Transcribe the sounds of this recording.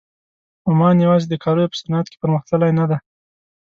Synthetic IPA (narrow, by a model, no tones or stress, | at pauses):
amɑnjawɑzed̪əkʰɑɾəjopə̥sanɑat̪̚ke̥pəɾməxt̪əlajnad̪a